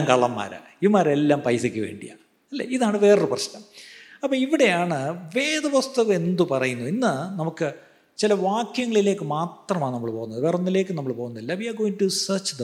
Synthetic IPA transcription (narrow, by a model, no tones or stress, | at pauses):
ŋkɐɭɐmːa̰ːɾa̰ | imːaːɾelːaːmpɐjsikʲːɨʋe̞̰ːɳɖija̰ | ɐlːḛiðaːɳɨʋe̞ːrɨprɐɕnɐmɐpːoːiʋiɽe̞jaːɳɨʋe̞ːd̪ɐʋɐst̪ɐʋɐe̞nd̪upɐrɐjunːuinːɨnɐmukːɨ | t͡ɕilɐʋaːkjɐŋːɐɭile̞ːkːɨmaːt̪rɐmaːɳnɐmːɐɭpoːɣunːɐðɨʋeːrunːile̞ːkːɨnɐmːɐɭpo̞ːɣunːɐðilːaʋiaɡo̞ːjiŋʈusɐːt͡ɕðɐ